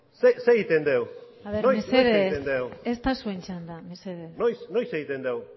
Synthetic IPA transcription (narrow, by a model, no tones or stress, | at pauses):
seseɣit̪end̪ew | aðeɾnomeseðeend̪ewest̪asuent͡ʃand̪ameseðenojsnojseɣit̪end̪ew